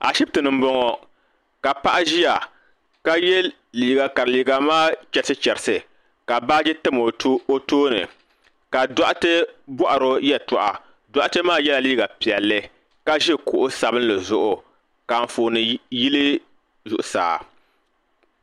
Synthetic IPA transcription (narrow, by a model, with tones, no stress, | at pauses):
a̰˨ʃi˦b̚tɨ˨nɨ˨m̩˦bɔ˦ŋɔ˦ | ka˨pa˦ʔa˦ʒi˦ja˨ | ka˦jɛ˦ | liː˨ɡa˨ka˨ɾɨ˨liː˨ɡa˨maː˦t͡ʃɛ˦ɾsɨ˦t͡ʃɛ˨ɾɨ˨sɨ˨ | ka˨baː˦d͡ʒɛ˦tɨ˦mo˨o˦toː˦nɨ̰˨ | ka˨dɔ˦ʔa˦tɨ˦bɔ˦ʔa˨ɾo˦jɛ˦˨tɔ˨ʔa˨ | da˦ʔa˦tɨ˦maː˦˨jɛ˦la˨liː˦ɡa˨pi˨ɛ˨lːɨ˦ | ka˦ʒɪ˦kʊ˨ʔʊ˦sa˨bɨ˦n˦lɨ˨zʊ˦ʔʊ˨ | ka˨ɱ˨foː˨nɨ˨ji˦lɨ˦ | zʊ˨ʔʊ˨sa̰ː˨